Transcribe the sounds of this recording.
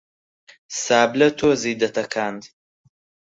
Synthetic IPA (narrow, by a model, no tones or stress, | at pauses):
saːblɐt̪ʰoːziːd̪ɐt̪ɐkʰaːnd̪